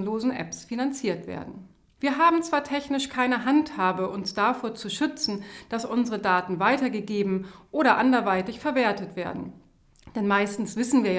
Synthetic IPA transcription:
loːzn̩ʔɛ̰psfinant͡siːɐtv̥ḛːɐdn̩ | v̥iːɐɦaːbm̩t͡sv̥aːɐtʰɛçnɪʃkʰaɪnəɦanthaːbəʔʊnsd̥afoːɐt͡suʃʏt͡sn̩d̥asʔʊnzəʁədaːtn̩vaɪtɐɡəɡeːbm̩ʔoːɾɐʔandɐvaɪtɪçfɛɐveːɐtətv̥eːɐdn̩ | d̥ɛnmaɪstn̩sv̥ɪsn̩viːɐja

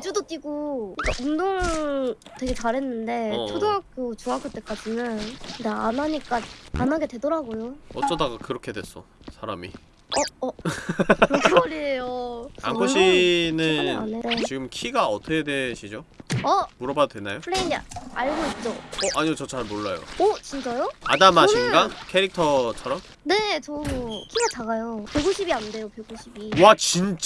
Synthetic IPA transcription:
ed͡ʑudot͈iɡoik͈aʔumdoŋ | twe̞ɡe̞t͡ɕaɾɦe̞nːɯnde̞odoŋakʰɯt͡ɕuŋakʰɯt͈ek͈ad͡ʑinjɯndaanaɲik͈aa̰naɡe̞dwe̞dʌɾaɡojoʌt͡ɕ͈ʌdaɡakɯɾʌkʰe̞dwe̞s͈ʌ | sʰaɾamḭ | ʌʌ | kʰbʌɾiejoa̰nkʰoɕʰinɯnet͡ɕiɡɯmkʰiɡaʌtʰʌkʰedwe̞ɕʰid͡ʑoʌmuɾʌbadadwe̞nːajopʰɯɭeinaɭɡoit̚t͡ɕ͈oʔaɲiɡot͡ɕʌt͡ɕʰaɭmoɭːajo̰ʌt͡ɕint͡ɕ͈ajoa̰damaɕʰinɡakʰe̞ɾik̚tʰʌt͡ɕʰʌɾʌm | ne̞t͡ɕʌkʰiɡat͡ɕaɡajopeɡuɕʰibiande̞jopjeɡuɕʰibiat͡ɕint͡ɕ͈a

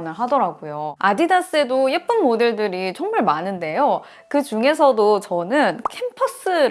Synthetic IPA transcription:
nɯɭɦadʌɾaɡujoadidas͈ɯe̞dojep͈ɯnmode̞ɭdɯɾit͡ɕʌŋmaɭmanɯnde̞jo | kɯt͡ɕuŋe̞s̬ʰʌdot͡ɕʌnɯnkʰempʰʌs͈ɯ

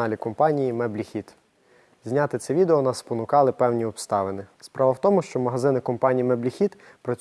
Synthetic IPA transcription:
ɑlʲikɔmpɑnʲijimɛblʲixʲit̪ | zʲnʲɑt̪ɪt̪sɛʋʲid̪eɔnɑspɔnʊkɑlˠɪpɛwnʲiɔpst̪ɑʋenɪspɾʔɑʋɐwt̪ɔmʊʃt͡ʃɔmɐɦɐzɪnɪkɔmpɑnʲijimɛblʲixʲit̪ | pɾɐt͡sʲ

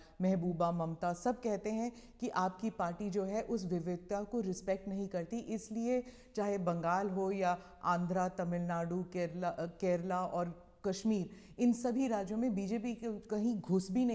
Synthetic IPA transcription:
mɛɦbuːbamɐmt̪asɐb̚ʱkɛɦt̪eɦɛ̃kiʔaːp̚kipaːɾʈid͡ʒoːɦɛʔʊsʋɪʋɪd̪̚akoɾɪspɛk̚ʈnɐɦĩkɐɾt̪iʔɪslie | t͡ʃaːɦebɐ̃ŋɡaːlɦoja | ãːnd̪ʱɾat̪ɐmɪlnaːɖukeɾkɛːɾlaʔɔːɾ | kɐʃmiːɾ | ɪnsɐbʱiɾaːd͡ʒjõmẽbiːd͡ʒeːpikkɐɦĩɡʱʊsbʱinɐ

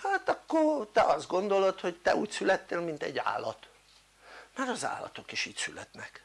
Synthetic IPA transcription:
haːt̪ɒkːort̪ɛʔɒzd̪ɡo̞nd̪o̞lo̞t̪ho̞ct̪ɛuːcsylɛt̪ːeːlmint̪ɛ̰ɟːa̰ːlːɒt̪ | maɾɒza̰ːlːɒ̰t̪o̞kiʃiːcsylɛt̪nɛk

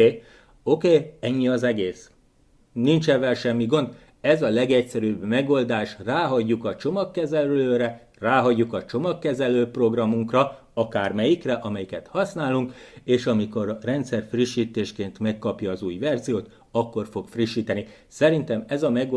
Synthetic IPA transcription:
okeːɛɲːiɒzɛɡeːs | nint͡ʃɛvːɛlʃɛmːiɡo̞nd̪ | ɛzɒlɛɡɛcsɛɾyːbmɛɡo̞ld̪aːʃraːɦɒɟːukɒt͡ʃo̞mɒkːɛzɛløːɾɛ | raːɦɒɟːukɒt͡ʃo̞mɒkːɛzɛløːpro̞ɡrɒmuŋkrɒ | ɒkaːrmɛjikrɛʔɒmɛjikɛt̪hɒsnaːlːuŋkeːʃɒmiko̞rrɛnt̪sɛrfriʃːiːt̪eːʃkeːnt̪mɛkːɒpjɒːzuːjvɛrzijoːt̪ | ɒkːo̞rfo̞kfriʃːiːt̪ɛni | sɛɾint̪ɛmɛzɒmɛɡ

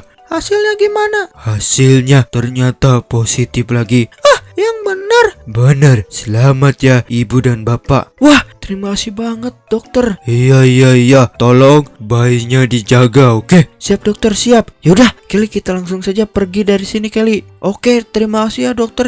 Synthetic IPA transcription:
hasɪlɲaɡimanahasɪlɲat̪ərɲat̪aposit̪ɪflaɡiahjaŋbənərbənərsəlamat̪̚jaibudanbapa̰ʔwaht̪əɾimakasibaŋət̪̚dɔk̚t̪ərijaijaijat̪olɔŋbaiɲadid͡ʒaɡaokesiap̚dɔk̚t̪ərsiap̚jaudahkalikit̪alaŋsʊŋsad͡ʒapərɡidaɾisinikali | ʔoket̪əɾimakasijadɔk̚t̪ər

